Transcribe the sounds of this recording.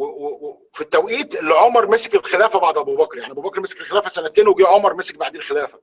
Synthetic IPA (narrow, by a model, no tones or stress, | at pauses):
wewewe | fit̪ːæwʔiːt̪elːʕomɑɾˤmesekelxelæːfæbɑʕd̪ʔæbuːbækɾjaʕniʔæbuːbækɾmese̥kelxelæːfæsænæt̪eːnweɡiʕomɑɾˤmesek̚baʕd̪eːlxelæːfæ